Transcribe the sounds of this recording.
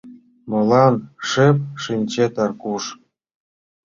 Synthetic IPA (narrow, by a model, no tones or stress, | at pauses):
mɤ̆lˠɑnʂep̚ʂinʲt͡ɕet̪ɑrkuʂ